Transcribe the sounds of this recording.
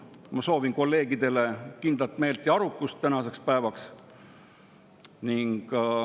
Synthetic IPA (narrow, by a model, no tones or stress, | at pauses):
mɑso̞ːvinko̞lːe̞ːɡid̪e̞le̞kind̪̥lɑt̪me̞ːlt̪iɑɾukːˑust̪ːænɑse̞kspæevɑks | niŋɡ̥